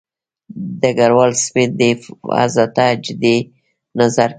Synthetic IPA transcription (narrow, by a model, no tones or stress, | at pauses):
d̪əɡaɾwalsped̪efa̰zat̪ad͡ʒd̪e | nazaɾ